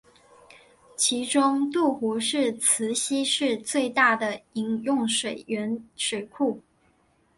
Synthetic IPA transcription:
t͡ɕʰi˧˥ʈ͡ʂʊ˥ŋt̪u˥˩xu˧˥ʂɻ̩˥˩t͡sʰɹ̩˧˥ɕi˥ʂɻ̩˥˧t͡swe˥˧ɪt̪a˥˩d̪ə˩i˧˥ŋjʊ˥˩ŋʂwe˨˩ɪɥɛ˧˥nʂwe˨˩ɪkʰu˥˩

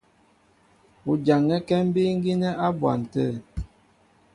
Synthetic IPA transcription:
u˨d͡ʒa˨ŋɛ˦kɛ˦m̩˦bi˦ŋ˦ɡi˦nə˦ʔa˦bwa̰˨n̩˨tə˦˨

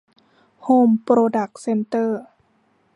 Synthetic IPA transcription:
huː˧˩mpɾoː˧da˨˩k̚se˧nt̪ɤː˥˩

